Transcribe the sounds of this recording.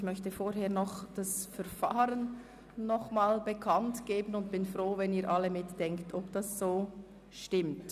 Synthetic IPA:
çmœçtəfoːɾɦeːɐnɔχd̥asfɛɐfaːɾənː | ɔχmaːlbəkʰɑntɡ̥eːbənʊntb̥ɪnfʁoːvɛniːɾʔɑlːəmɪtd̥ɛŋktʰɔbd̥ɑszoː | ʃtɪmt

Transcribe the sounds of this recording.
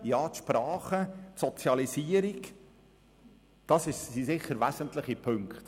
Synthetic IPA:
jɑːt̪ʃpɾɑːχətsɔt͡sjɑlisiːəɾik | d̥ɑsɪʃsisɪχːəɾvæzəntlɪχipʰɵŋkχt

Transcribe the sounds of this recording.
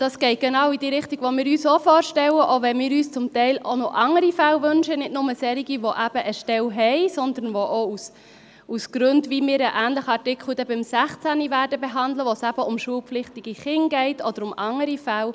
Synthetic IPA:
d̥ɑːsɡ̥ɛɪt̚ɡ̥ɛnɑːwid̥iːɾɪχtiɡ̥ʋomɪːɾyːsofɔːɾʃtɛləʔoʋɛnmɪːɾyːst͡sʊmtɛɪlo̰nɔʔɑŋəɾifælvɵnʃənɪtnʊməsɛːɾiɡiʋoʔæb̥əʔəʃtɛlɦɛɪsɔnd̪ənʋoʔous | usɡ̥ɾɵndʋimɪːɾəʔæːnləχəɑɾtɪkχl̩d̪ɛbɪmsæχt͡sænivæːɾdəbeɦɑnd̪ləʋosæb̥əʊmʃuəlpflɪχtiɡ̥iχɪŋɡɛɪtɔd̥̪əɾʊmʔɑŋəɾifæl

